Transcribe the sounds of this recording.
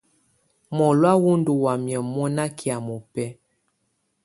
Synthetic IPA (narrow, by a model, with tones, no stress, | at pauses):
mɔ˨lwa˦wu˦ndu˨wa˨mjɛ˨mɔ˦na˦kʰi˨a˨mɔ˨pɛ˦